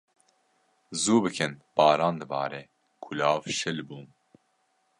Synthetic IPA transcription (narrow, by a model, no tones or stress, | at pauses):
zuːbɨkʰɨnb̥ɑːɾɑːnd̪ɨbɑ̰ːɾe | kʰʊlɑːvʃɨlbuː